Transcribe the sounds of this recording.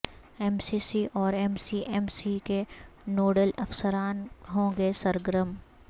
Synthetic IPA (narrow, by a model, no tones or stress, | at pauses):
ɛmsisiʔɔːɾɛːmsiʔɛmsikenoːɖəlɐfsəɾaːnɦõːɡesɐɾɡəɾəm